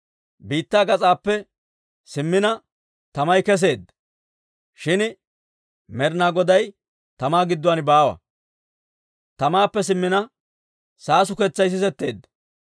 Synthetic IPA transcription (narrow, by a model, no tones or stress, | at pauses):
biːt̪ːaːɡɐt͡sʼaːpːɛ | sɪmːɪnɐ | t̪ɐmɐjkɛs̬e̞ːd̪ːɐ | ʃɪn | mɛɾnaːɡɔd̪ɐj | t̪ɐmaːɡɪd̪ːɔwɐnbaːwɐ̰ | t̪ɐmaːpːɛs̬ɪmːɪnɐ | saːsʊkɛt͡sːɐjs̬ɪsɛt̪ːe̞̰ːd̪ːɐ